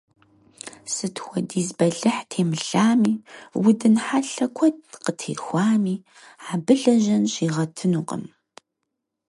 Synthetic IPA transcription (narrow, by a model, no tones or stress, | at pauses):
sɨtʰwʷɔdiːzbɐɮɨħtʰeːmɨɬaːmiːwʊdɨnħaɬɐkʷʰɔd̚qətʰḛːxʷaːmiː | ʕabɨɮɐʒɐnɕiːʁɐtʰɨnuːqə̰m